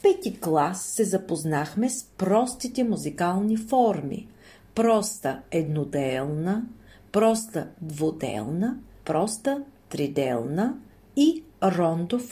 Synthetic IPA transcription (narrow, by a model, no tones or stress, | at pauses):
pɛt̪iklˠasːɛzɐpoznaxmɛspɾɔst̪it̪ɛmuzikalˠnifɔɾmḭ | pɾɔst̪əɛd̪nod̪ɛlˠnə | pɾɔst̪əd̪vod̪ɛ̰lˠnəpɾɔst̪ət̪ɾid̪ɛ̰lˠnə | iɾɔnd̪of